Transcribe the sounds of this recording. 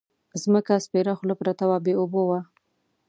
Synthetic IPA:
zməkaspeɾaxlapɾat̪awabeobowa

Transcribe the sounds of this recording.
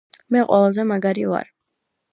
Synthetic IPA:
mɛqʼwɛlazɛmaɡaɾiva̰ɾ

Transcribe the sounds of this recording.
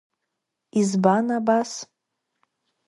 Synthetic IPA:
izbanabas

